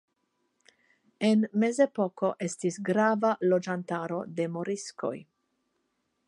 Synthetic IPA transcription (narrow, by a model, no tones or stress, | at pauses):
enme̞ze̞poko̞ʔe̞stisɡɾavalo̞d͡ʒantaɾo̞de̞moɾisko̞̰j